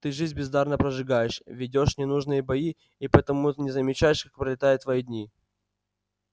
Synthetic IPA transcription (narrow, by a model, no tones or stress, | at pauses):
t̪ɨʐɨzʲbʲɪzd̪arnəpɾəʐɨɡajɪʂvʲɪdʲoʂnʲɪnuʐnɨjəbɐi | ipət̪ɐmut̪ɨnʲɪzəmʲɪt͡ɕæjɪʂkak̚pɾəlʲɪt̪ajʊt̪ːvɐidʲnʲi